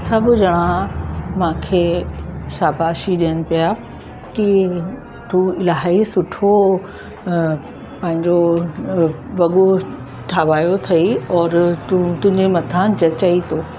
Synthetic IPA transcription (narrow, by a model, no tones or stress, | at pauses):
sɐbʱʊd͡ʑɐɽ̃amãːkʰesaːbʱaːʃiɗijənɪ̆pija | ki | t̪ũɪlaːɦisʊʈʰo | pɐ̃ɦɪ̃ɲd͡ʑo | ʋɐɠo | ʈʰaːʋaːjot̪ʰɐiɔːɾt̪ʊ̃ɦɪ̃ɲd͡ʑemɐt̪ʰãːnd͡ʑɐt͡ɕɐit̪ʰoː